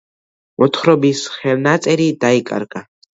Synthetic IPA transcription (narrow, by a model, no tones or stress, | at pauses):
mɔt̪χɾɔbisχɛlnat̪sʼɛɾid̪aikʼa̰ɾkʼa